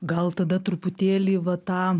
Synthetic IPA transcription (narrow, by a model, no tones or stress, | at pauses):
ɡɐlˠt̪ɐd̪ɐt̪ɾʊpʊt̪ʲeːlʲiːʋɐt̪ɑː